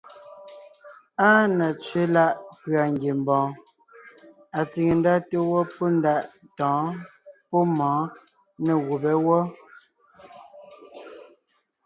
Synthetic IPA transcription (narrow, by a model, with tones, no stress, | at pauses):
aː˦na˨t͡sɥe˦la˦ʔkɥa˨ŋɡe˨m˨bɔ̃ː˨ | a˨t͡si˨ŋe˨n˦da˦te˦wɔ˦pɔ˦n˦da˦˨ʔ | tɔ̃ː˨˦pɔ˦mɔ̃ː˨˦ | ne˨ɣu˨bɛ˦wɔ˦